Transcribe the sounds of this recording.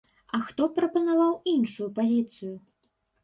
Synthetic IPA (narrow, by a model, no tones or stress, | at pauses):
ɐxt̪ɔpɾɐpɐnavawinʂujupazʲit̪sɨju